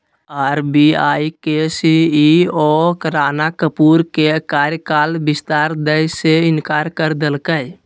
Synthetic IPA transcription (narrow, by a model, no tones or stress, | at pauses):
aɾbiajkesiiokəɾanakəpuɾkekaɾjəkalbist̪aɾd̪əjseinkaɾkəɾd̪elkəj